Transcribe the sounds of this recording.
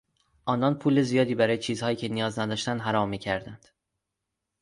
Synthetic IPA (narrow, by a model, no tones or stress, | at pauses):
ʔɒːnɒnpʰuːle̞zijɒːd̪iːbæɾɒːjet͡ʃʰiːzhɒːjiːcʰe̞nijɒːznæd̪ɒːʃt̪ænd̪ɦæɾɒːmːiːcʰæɾd̪ænd̪̥